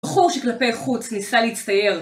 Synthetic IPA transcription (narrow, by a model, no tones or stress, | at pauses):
χuʁʃeklape̞jχut͡snisaleit͡st̪aje̞ʁ